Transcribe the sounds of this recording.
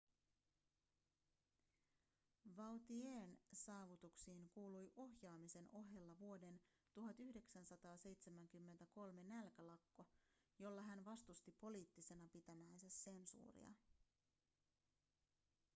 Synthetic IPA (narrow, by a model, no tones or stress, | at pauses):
ʋɑwt̪ieːnsɑːʋut̪uksiːŋkuːlujʔo̞ɦjɑːmise̞no̞ɦjelːɑʋuo̞de̞n | t̪uɦɑt̪yhde̞ksænsɑt̪ɑːse̞jt̪se̞mæŋk̟ymːe̞nt̪æko̞lme̞nælkælɑkːo | jo̞lːɑɦænʋɑst̪ust̪ipo̞liːt̪ːise̞nɑpit̪æmæjnsæsːe̞nsṵːrḭɑ̰